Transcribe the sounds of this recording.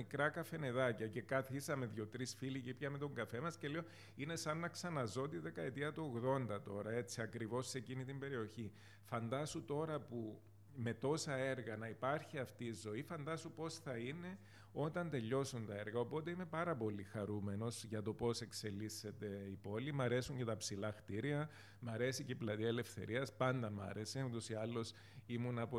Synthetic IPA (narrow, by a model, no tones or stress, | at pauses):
ikɾɐkɐfe̞ne̞ðɐcɐce̞kɐθisɐmeðʝo̞t̪ɾisfilicipçɐmet̪o̞ŋɡɐfe̞mɐsce̞leo̞ | ine̞sɐnːɐksɐnɐzo̞t̪iðe̞kɐe̞t̪iɐt̪uoɣðo̞nd̪ɐt̪o̞ɾɐe̞t͡siɐkɾivo̞sːe̞cinit̪imbe̞ɾio̞çi | fɐnd̪ɐsut̪o̞ɾɐpu | me̞t̪o̞sɐeɾɣɐnɐipɐɾçiɐft̪iːzo̞ifɐnd̪ɐsupo̞sθɐine̞ | o̞t̪ɐnt̪e̞ʎːo̞sunt̪ɐe̞ɾɣɐo̞po̞t̪e̞ime̞pɐɾɐpo̞lixɐɾume̞no̞sʝɐt̪o̞po̞se̞kse̞lːise̞t̪e̞ipo̞limɐɾe̞suɲcet̪ɐpsilɐxt̪iɾiɐ | mɐɾe̞siceplɐt̪iɐele̞fθe̞̰ɾʔiɐspɐnd̪ɐmɐ̰ɾe̞se̞ut̪o̞siɐlːo̞s | imunɐpo